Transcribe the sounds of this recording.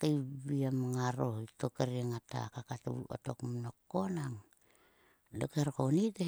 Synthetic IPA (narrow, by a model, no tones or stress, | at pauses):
kajβiamaŋaɾoitokeɾiaŋata̰kakatuuo̰tokmnokːonaŋ | dokeɾkonide